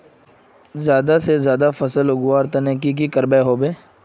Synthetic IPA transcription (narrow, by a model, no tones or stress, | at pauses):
zjaːd̪asezjaːd̪afɐsəlʊɡʊʋaːɾt̪ɐnek̬ik̬ikəɾbeɦoːbeː